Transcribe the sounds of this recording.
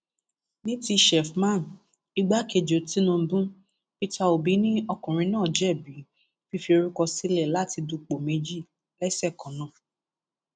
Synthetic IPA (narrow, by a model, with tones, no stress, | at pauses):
nĩ˦ti˧ʃɛ˨fmã˦˨n˨ | i˦ɡ͡ba˦ke˧˨d͡ʒo˨ti˦nũ˧˦bũ˦ | i˦ta˦˧o˨bi˨˦nĩ˦ɔ˧kũ˨ɾ̃ĩ˧nãː˦˨d͡ʒɛ˦˨bi˨˦ | fi˦fi˧o˧ɾu˦kɔ˧si˦lɛ˦˨la˦ti˧du˧k͡po˨me˨˦d͡ʒi˦˨ | lɛ˦sɛ˦˨kɔ̃˨nã˨